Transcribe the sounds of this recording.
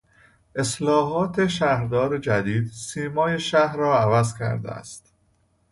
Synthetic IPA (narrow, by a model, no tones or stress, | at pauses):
ʔe̞slɒːɦɒːt̪ʰe̞ʃæhɾd̪ɒːɾed͡ʒæd̪iːd̪̥siːmɒːje̞ʃæhɾɒːævæzcʰæ̰ɾd̪ḛæ̰st̪